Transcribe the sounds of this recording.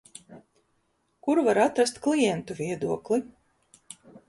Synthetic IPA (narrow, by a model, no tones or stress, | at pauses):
kuɾvaɾat̪ɾast̪klˠijɛnt̪uvʲiɛd̪uɔklˠi